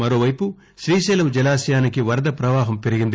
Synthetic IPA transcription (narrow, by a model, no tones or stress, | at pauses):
mɐɾoːʋɐjpu | ʃɾiːʃɛːlɐmd͡ʒɛlaːsjaːnikiʋɐɾd̪ɐpɾɐʋaːɦɐmpe̞ɾiɡind̪i